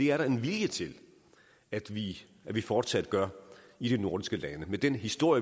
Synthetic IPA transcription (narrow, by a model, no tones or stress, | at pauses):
e̝æɐɾɑ̈e̝nʋiljət͡sʰe̝l | æd̥ʋi | æʋifɒːd̥sæd̥ɡ̥ɶɐiɾ̥e̝no̝ɐd̥isɡ̥əlænəmed̥enɦisd̥o̝ɐ̰jə